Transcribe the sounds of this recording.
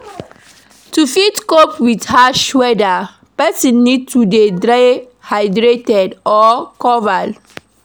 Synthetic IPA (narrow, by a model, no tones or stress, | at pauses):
tufitkopwithaʃwɛda | pɛsĩnːid̚tudedɹaj | hajdɹetɛdɔkɔvad